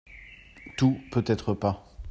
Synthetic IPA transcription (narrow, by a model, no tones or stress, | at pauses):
t̪upøt̪ɛt̪χəpa